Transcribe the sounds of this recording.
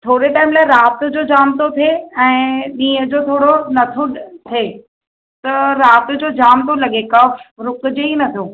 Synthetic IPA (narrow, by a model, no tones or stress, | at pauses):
t̪ʰoːɽeʈaːɪmlaːɪɾaːt̪ʊ̆d͡ʑoːd͡ʑaːmt̪ʰot̪ʰeɛ̃ːɗĩːəd͡ʑoːt̪ʰoːɽonɐt̪ʰot̪ʰeː | t̪ɐɾaːt̪ʊ̆d͡ʑoːd͡ʑaːmt̪ʰolɐɠekɐfɾʊkd͡ʑeinɐt̪ʰoː